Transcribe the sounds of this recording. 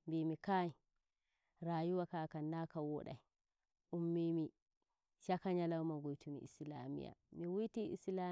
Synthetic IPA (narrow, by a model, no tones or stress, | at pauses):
mbimikai | ɾajuwakakanːakawɔ̰ɗa̰j | ʔumːimi | ʃakaɲalawmaɡojtumḭḭsla̰mḭja̰miwujtiḭsla